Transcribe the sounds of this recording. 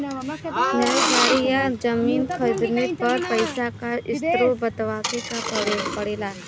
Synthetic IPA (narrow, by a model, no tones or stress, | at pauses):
nɛɾkaːɾijad͡ʒɐmiːnkʰəd͡ʒnepɐɾpɐɪsakaɪsst̪ɾobɐt̪ʋaːkekapəeːpɐɽeːlaː